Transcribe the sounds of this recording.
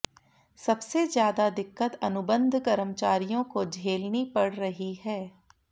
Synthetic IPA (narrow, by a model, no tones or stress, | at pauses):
sɐbsezjaːd̪ad̪ɪkːət̪ɐnʊbə̃nd̪ʱkɐɾəmt͡ʃaːɾijõkod͡ʒʱeːlnipɐɽ̤ɾɐɦihɛː